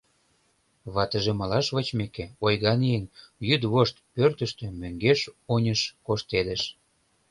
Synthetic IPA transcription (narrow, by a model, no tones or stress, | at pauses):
βɑt̪əʒĕmɑlɑʃβət͡ɕmekeojɣɑnijənjyd̪βoʃt̪pørt̪ə̆ʃt̪ø̆møŋɡeʃonʲəʃkoʃt̪ed̪ə̆ʃ